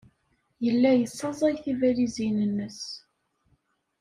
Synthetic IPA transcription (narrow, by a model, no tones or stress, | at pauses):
jəlːæjəsːɑzˤæjθivælizinənːəs